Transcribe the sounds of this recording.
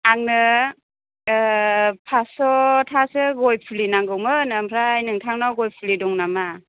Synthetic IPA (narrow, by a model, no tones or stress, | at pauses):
aŋnɯ | pʰasɔtʰasɯɡɔjpʰulinaŋɡɯwmɯnɯmpʰɾajnɯŋtʰaŋnawɡɔjpʰulidɔŋnama